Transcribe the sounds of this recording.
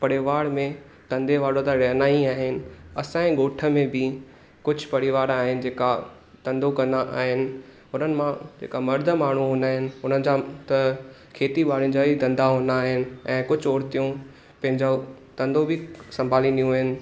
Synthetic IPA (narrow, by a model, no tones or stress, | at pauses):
pɐɽɪʋaːɽmẽ | t̪ɐ̃nd̪ʱeʋaːɽõt̪aɾɐɦnaːiaːɦɪnɪ̆ɐsãːĩɡoːʈʰə̆mẽbʱɪ | kʊd͡ʑʱʊpɐɽiʋaːɾaːɦɪnɪ̆d͡ʑeːka | t̪ɐ̃nd̪okɐ̃nd̪aʔa̰ːɦɪnɪ̆ | ʊnənɪ̆mãd͡ʑḛːkamɐɾd̪ʱəmaːɳ̤uɦõːnd̪aːɦɪnɪ̆ʊn̤ənɪ̆d͡ʑat̪ɐ | kʰeːt̪iɓaːɽĩnd͡ʑait̪ɐ̃nd̪aɦõːnd̪aːɦɪnɪ̆ɛ̃ːkʊd͡ʑʱɔːɾt̪ijũ | pɐ̃ɦɪ̃ɲd͡ʑo | t̪ɐ̃nd̪obʱɪsɐ̃mbʱaːliɗijũaːɦɪnɪ̆